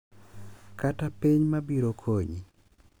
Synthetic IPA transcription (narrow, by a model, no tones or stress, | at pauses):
katapiɲmabiɾokʰoɲi